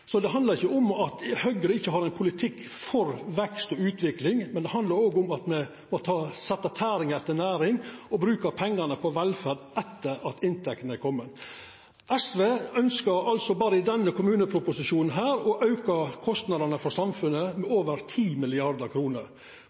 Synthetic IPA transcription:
sɔd̪ɛɦɑnd̪ɑɾɪçːəʊmɑt̪hœɡəɾəɪçːəɦɑɾɛɪnpʰʊlɪt̪ʰɪkː | fɔɾʋɛkst̪ɔʉːt̪ʰʋɪklɪŋmɛnd̪ɛhɦɑnd̪lɑɾoːɡʊmɑt̪mɛ | mɔt̪ʰɑːsɛt̪ːɑt̪ʰæːɾɪŋɾɛt̪ːəɳæːɾɪŋɔbɾʉːkəpʰɛŋːɑnəpʰɔʋɛlfæɾd̪ʔɛt̪ːəɾɑt̪ɪnt̪ʰɛkt̪ənəkʰɔmːən | ʔɛsʋeːœnskəɾɑlsɔbɑːɾəɪd̪ɛnːəkʰʊmʉːnəpʰɾʊpʊsɪʃuːnn̩ɦæːɾɔʔɑʉkɑkʰɔst̪nɑd̪ɑnəfɔɾsɑmfʉnːəmɛoːʋəɾt̪ʰiːmɪlɪɑɾd̪əɾkʰɾuːnəɾ

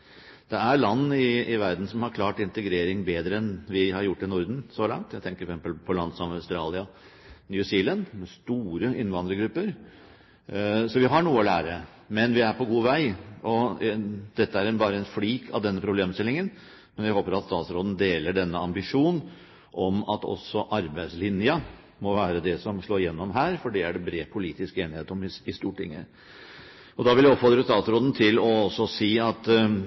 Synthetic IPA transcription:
d̪̥ɛæɾlɑnːɪɪʋæɾd̪n̩sɔmhɑɾkʰlɑːʈɪnt̪əɡɾeːɾɪŋbeːd̪ɾəɛnʋɪhɑɾjʊʈːɪnʊɾd̪n̩sɔlɑ̰ŋt̪jæɪt̪ʰɛŋkəɾfksɛmpəlpʰɔlɑnsɔmɑʉst̪ɾɑːlɪɑ | njʉsiːlɛnmɛst̪uːɾəɪnːʋɑnd̪ɾəɡɾʉpːəɾ | sɔʋɪɦɑɳuːəɔlæːɾə | mɛnʋɪæɾpʰɔɡuːʋæɪɔ | d̪̥ɛt̪ːəæɾɛnbɑːɾəɛnfliːkʰɑ̰ʋd̪ɛnːəpʰɾʊbleːmst̪ɪlːɪŋən | mɛnʋɪhoːpəɾɑt̪st̪ɑːt̪sɾoːd̪n̩d̪eːləɖɛnːəɑmbɪʂuːn | ʔɔmɑt̪ɔ̰sɔʔɑɾbæɪd̪slɪnjɑ | mɔʋæːɾəd̪ɛsɔmʂɭoːɾjɛnːɔmɦæːɾfɔɖiæɖɛbɾeːpʰʊliːt̪ɪskeːnɪheːt̪ɔmɪɪst̪uːʈʰɪ̰ŋːə̰ | ɔd̪ɑʋɪljæɔpfɔɾt̪ɾəst̪ɑːt̪sɾoːd̪n̩t̪ʰɪlɔɔsːɔsiːɑt̪

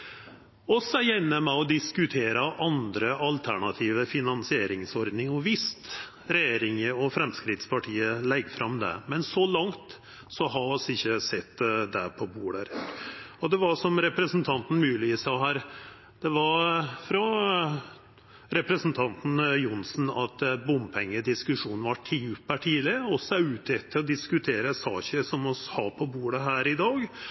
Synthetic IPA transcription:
ɔsɛjɛnːəmɛɔd̪ɪskʉt̪ʰeːɾəʔɑnd̪ɾəʔɑlt̪ʰæɳɑt̪ʰiːʋəfɪnɑnsɪeːɾɪŋsɔɾd̪nɪŋɔʋɪst̪ | ɾɛjeːɾɪŋəɔfɾɛmskɾɪt̪spʰɑʈʰiːəlɛɡːfɾʔɑmd̪ɛ̰mɛnsɔlɑŋt̪ | sɔɦɑsɪçːəsɛt̪ːd̪ɛpʰɔbuːɖæɾ | ɔd̪ɛʋɑɾʂɔmɾɛpɾəsn̩t̪ʰɑnt̪n̩mʉːlɪɪsɑɦæːɾ | d̪̥ɛʋɑɾfɾɔ | ɾɛpɾəsn̩t̪ʰɑnt̪n̩jʊnsn̩ɑt̪bʊmpʰɛŋːəd̪ɪskʉʂuːnn̩ʋɑʈʰiʉpæʈʰiːlɪɔsæɪʉːt̪ʰɛt̪ʰːɪlɔd̪ɪskʉt̪ʰeːɾəsɑ̰ːçəʂɔmɔshɑɾpʰɔbuːɽəɦæːɾɪd̪ɑːɡ

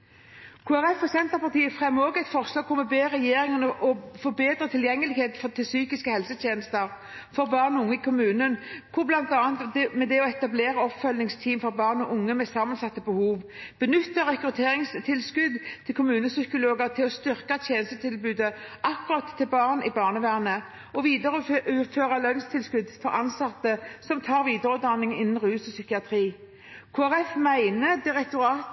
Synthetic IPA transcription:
kʰʊːæʁɛfɔsɛnt̪əʁpɑʁt̪ʰiːəfʁɛmːoːɡɛɪt̪fɔʁslɑːɡ̚kʰʊmɛbeːʁɛjeːɾɪŋənəʔɔfɔbeːd̪ɾət̪ʰɪljɛŋːəlɪɡheːt̪fɔt̪ʰɪlsyːkɪskəhɛlsət̪ʰjeːnəst̪əʁ | fɔʁbɑːʁnʊŋːəɪkʰʊmʉːnənkʰʊʁblɑnt̪ɑːnt̪mɛd̪ɛɔɛt̪ɑbleːɾɑɔpfœlnɪŋst̪ʰiːmfɔʁbɑːʁnɔʔʊŋːəmɛsɑmənsɑt̪ːəbəhuːʋb̥ənʏt̪ːəʁɛkɾʉt̪ʰeːʁɪŋst̪ʰɪlskʉd̪t̪ʰɪlkʰʊmʉːnəsʏkʊloːɡəʁt̪ʰɪlɔst̪ʏʁkat̪ʰjeːnəst̪ət̪ʰɪlbʉːd̪əʔɑkːʊʁɑt̪ʰːɪlbɑːʁnɪbɑːʁnəʋæːʁnə | ɔʋiːd̪əɾʉːføːʁɑlœnst̪ʰɪlskʉd̪fɔɾɑnsɑt̪ːəsɔmt̪ʰɑːʁʋiːd̪əɾʉd̪ɑnːɪŋɪnːn̩ʁʉːsɔsʏkɪɑt̪ʰɾiː | kʰoːæʁɛfmæɪnəd̪ɪʁɛkt̪ʊɾɑːt̪

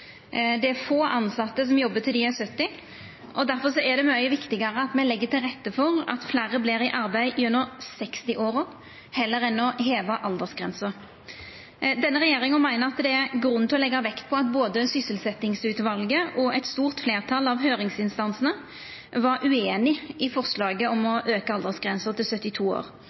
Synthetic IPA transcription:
d̪ɛæɾfoːʔɑnsɑt̪ːəs̬ɔmjɔbːət̪ʰɪliæsœt̪ːɪ | ʔɔd̪æɾfɔsɔæʁd̪ɛmɑʏəʋɪkt̪ɪɡɑʁəɑt̪mɛlɛɡːət̪ʰɪlʁɛt̪ːəfɔʁɑ̰t̪flæːʁəbleːɾɪʔɑɾbæɪʔɪʉnːəʁsɛkst̪ɪʔoːʁʊ | hɛlːəʁɛnːɔɦeːʋɑʔɑld̪əsɡʁɛ̰nsə | d̪ɛnːəʁɛjeːʁɪŋənmæɪnəʁɑt̪d̪ɛæɾɡɾʉnt̪ʰɔlɛɡːɑʋɛkt̪̚pʰɔɑt̪boːd̪əsʏsəlsɛt̪ɪŋsʉːt̪ʋɑlɡəʔɔɛɪt̪st̪uːʁt̪fleːʁt̪ʰɑlːɑʋɦøːʁɪŋsɪnst̪ɑnsnə | ʋɑɾʔʉeːnɪɪfɔʁslɑːɡəɔmɔʔøːkəɑld̪əsɡʁɛnsəʁt̪ɪlsœt̪ːɪt̪ʰuːo̰ːʁ

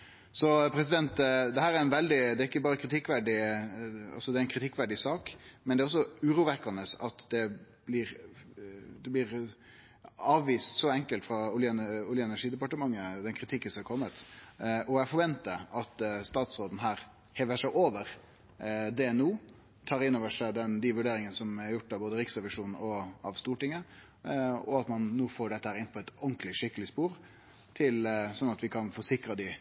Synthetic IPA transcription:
sɔpʰɾɛsɪd̪ɛnt̪d̪ɛhæːɾæɾɪnʋɛld̪ɪd̪ɛæɾɪkːəbɑːɾəkʰɾɪt̪ʰɪkːʋæɖɪ | ɑ̰lsɔd̪ɛæɪnkɾɪt̪ʰɪkːʋæɖɪsɑːkmɛnd̪ɛæɾɔsːɔʉːɾuːʋækːɑnəsɑt̪d̪ɛblɪɾ | d̪ɛblɪɾ | ɑːʋʋiːst̪sɔɛŋkəlt̪fɾɑʊljəʊljəɛnæʂiːd̪əɛpɑʈəmɑŋːəd̪ɛnkʰɾɪt̪ʰɪkːənsɔmɑɾkʰɔmːət̪ɔæfɔɾʋɛnt̪əɑt̪st̪ɑːt̪sɾoːd̪n̩ɦæːɾ | heːʋəʂæɪʔoːʋəɾ | d̪ɛɛnuː | t̪ʰɑːɾɪnːoːʋəʂæɪd̪ɛnd̪ɪʋʉɖeːɾɪŋənəsɔmæɾjʊʈːɑʋboːd̪əɾɪksʁɛʋɪʂuːnn̩ɔɑʋst̪uːʈɪŋːə | ɔɑt̪mɑnːuːfoːɖɛt̪əhæːɾɪnpʰɔɛt̪ɔnklɪʂɪkːəlɪspuːɾ | t̪ʰɪlsɔnːɑt̪ʋɪkʰɑnfɔsɪkɾɑd̪ɪ

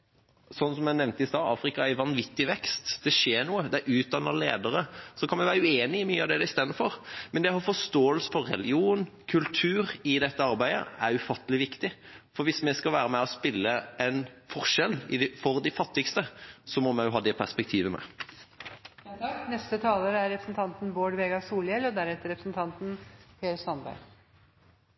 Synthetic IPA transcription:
sɔnːsɔmjænɛʋnt̪əɪst̪ɑːɑ̰ːfɾɪkɑæɾʋɑnʋɪt̪ːɪʋɛkst̪d̪̥ɛʂeːɳuːəd̪ɛæʔʉːt̪̚d̪ɑnːəlḛːd̪əɾəsɔkʰɑnmɛɪʋæːɾəʉeːnɪɪmyːəɑʋd̪ɛæd̪ɛɪst̪eːd̪əfɔʁmɛnd̪ɛhɑfɔʂt̪oːəlsə̥fɔɾːɛ̰lɪuːnkʰʉlt̪ʰʉːɾɪd̪ɛt̪ːəɑɾbæɪd̪ə̰æɾʉfɑt̪ːəlɪʋɪkt̪ɪfɔɾʋɪsmɛskɑlʋæːɾəmæɔspɪlːəɛnfɔɾʂɛlɪd̪fɔɾd̪ɪfɑt̪ːɪkst̪əsɔmɔmɛjʊɦɑːd̪ɛpʰæspɛk̚t̪ʰiːʋəmɛ̰ | nɛst̪ət̪ʰɑːləɾəæɾɾɛpɾəsn̩t̪ʰɑnt̪nboːɖʋeːɡɑsuːljɛlɔd̪æɾɛt̪ːəɾɛpɾəsnt̪ʰɑnt̪n̩pʰeːəsɑnbæ̰ɾ

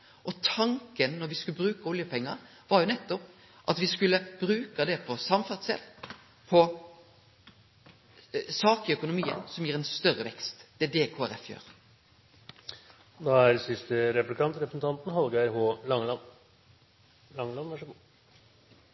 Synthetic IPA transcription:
ʔɔt̪ʰɑŋkənnɔɾʋɪskʉləbɾʉːkɑɔljəpʰɛŋːɑ | ʋɑɾjʊnɛt̪ːɔp | ʔɑt̪ʋɪskʉlːəb̥ɾʉːkɑd̪ɛpʰɔsɑmfæʁd̪sɛ̰lː | pʰɔ | sɑːkœkʊnʊmiːə̰nsɔmjiːɾɛnst̪œɾəʋɛkst̪d̪̥ɛd̪eːkʰoːæɾɛfjø̰ːɾ | d̪ɑːæɾsɪst̪əɾɛplɪkɑnt̪ɾɛpɾəsn̩t̪ʰɑnt̪n̩hɑlɡəæɾɦoːlɑŋlɑn | lɑŋlɑnʋæʂəɡuː

